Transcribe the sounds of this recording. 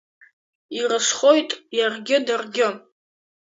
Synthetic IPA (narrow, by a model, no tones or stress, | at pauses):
irɨʂχo̞jtʼjarɡʲɪdarɡʲɪ